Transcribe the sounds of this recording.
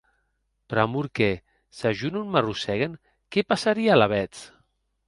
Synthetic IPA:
pɾamuɾke | saʒununmarusɛɣen | kɛpasaɾialaβ̞ɛt͡s

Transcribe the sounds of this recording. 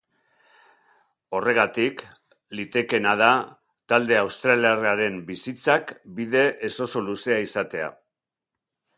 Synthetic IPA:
o̞re̞ɣ̞at̪ik | lit̪e̞ke̞nað̞a | t̪ald̪e̞awst̪ɾaliareaɾe̞mbisit͡sakbið̞e̞ʔːso̞so̞luse̞aisat̪e̞a̰

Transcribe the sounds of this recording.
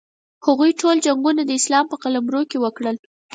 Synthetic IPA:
haɣujʈʰold͡ʒaŋɡunad̪əɪslɑmpəqalamɾokewəkɽəl

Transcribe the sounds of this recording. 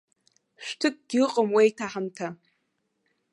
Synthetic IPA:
ʃᶣʷtʰɨk̚ʼɡ̥ʲɪqʼəmwejtʰaħamtʰa

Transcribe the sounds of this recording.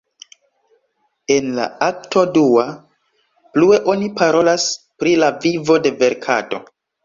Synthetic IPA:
e̞nla̰ak̚to̞dua | plue̞ʔo̞nipaɾo̞las | pɾilavivo̞de̞ve̞ɾkʰa̰to

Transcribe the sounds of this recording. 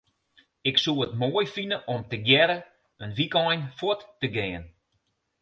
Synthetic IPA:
ɪksuəətmoːəjfinəʔɔmtəɡjɛɾə | ənʋikɔjnfotːəɡɪːən

